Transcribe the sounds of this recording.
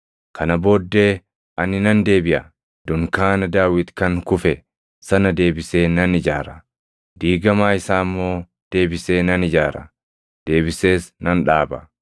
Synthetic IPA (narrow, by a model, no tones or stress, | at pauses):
kʰɐnɐbo̞ːd̪ːe̞ː | ʔɐnɪnɐnd̪e̞ːbɪʔɐ | d̪̥ʊŋkaːnɐd̪aːwɪt̪kɐŋkʊfɛ | sɐnɐd̪e̞ːbɪseːnɐnɪd͡ʒaːɾɐ | d̪iːɡɐmaːɪsaːmːo̞ː | d̪̥e̞ːbɪse̞ːnɐnɪd͡ʒaːɾɐ̰ | d̪̥e̞ːbɪse̞ːsnɐnᶑaːbɐ̰